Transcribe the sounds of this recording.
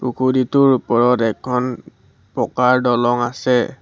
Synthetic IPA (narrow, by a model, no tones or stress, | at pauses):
pukʰuditʊɹupɔɹɔtɛkʰːɔn | pɔkaɹdɔlɔŋasɛ